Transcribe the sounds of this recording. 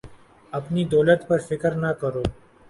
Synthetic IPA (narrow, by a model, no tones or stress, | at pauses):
ɐpnid̪ɔːlət̪pɐɾfɪkəɾnakɐɾoː